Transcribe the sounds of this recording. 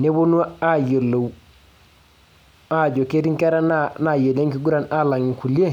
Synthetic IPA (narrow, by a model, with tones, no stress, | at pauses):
ne˦bo˦nu˦wa˦a˦jo˨lo˨w | a˦˨ɟo˨ke˦ti˦ŋke˦ɾa˦nana˨je˨le˦ŋki˦ɡu˦ɾa˨na˦la˨ŋi˨ku˨le˦